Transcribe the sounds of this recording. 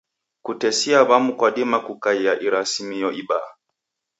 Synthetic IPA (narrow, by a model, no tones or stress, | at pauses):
kutɛsiaβamukwaɗimakukaiaʔiɾasimijɔʔiɓa̰